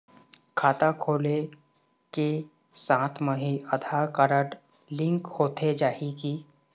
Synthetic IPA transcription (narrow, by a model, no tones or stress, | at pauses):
kʰaːt̪akʰoːle | ke | sãːt̪ʰmə̃ɦiəd̪ʱaɾkəɾəʈ | lɪ̃ŋkhoːt̪ʰed͡ʒaːiki